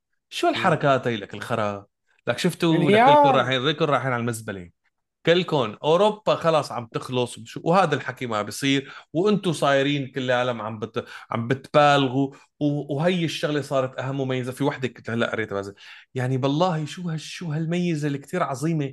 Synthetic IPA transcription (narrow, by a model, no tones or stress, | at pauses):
ʃulħɑɾˤɑkaːt̪hajːlʔakɪlxɑɾˤɑ | lakʃɪft̪ukɪlʊnɾɑːħiːnɾiːkʊnɾˤɑːħiːnʕalmazbali | kɪlkʊnʔoːɾopːaxɑlɑːsˤʕam̚t̪ɪxlʊsˤwʃuwhaːd̪alħakiːmabjsˤiːɾwʔɪnt̪ʊsˤɑːjɾiːnkɪlːʕaːlamʕa̰mbɪʕa̰mbɪt̪baːlɣu | wwɦajːɪʃːʊɣlesˤɑːɾˤɑt̪ʔaɦamːʊmajːazafiwaħd̪ɪkt̪halːaʔa̰ɾeːt̪baːzaljaʕnibɑlˤːɑːhiʃuːhaːuːɦalmajːɪzalːikt̪iːɾʕɑzˤiːme